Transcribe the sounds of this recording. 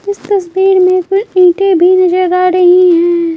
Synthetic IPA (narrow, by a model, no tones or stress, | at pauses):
ɪst̪ɐsbiːɾmẽkʊt͡ʃĩːʈebʱinɐd͡ʒəɾaːɾɐɦiɦɛ̃ː